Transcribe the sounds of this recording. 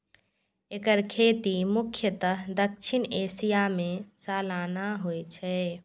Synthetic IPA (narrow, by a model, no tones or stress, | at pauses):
ekəɾkʰeːt̪imʊkʰjət̪əɦd̪əkʃɪneːsijamẽsaːlaːnaɦoɛt͡ʃʰɛː